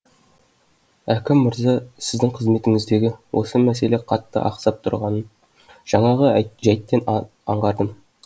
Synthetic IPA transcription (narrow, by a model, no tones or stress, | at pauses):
ækʲɪmːɪɾzɑsɪzd̪ɪŋqʰəzme̞t̪ɪŋɪzd̪e̞ɡʲɪwʔo̞̰səmæse̞le̞qʰɑt̪ːə̰ʔɑ̰qsɑp̚t̪ʰʊ̰ɾʁɑnən | ʒ̥ɑɴɑʁəʒæjt̪ːe̞n | ɑ̰ɴʁɑɾd̪əm